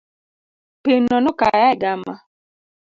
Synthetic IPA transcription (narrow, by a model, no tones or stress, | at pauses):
penɔnɔka̰jaɛɡama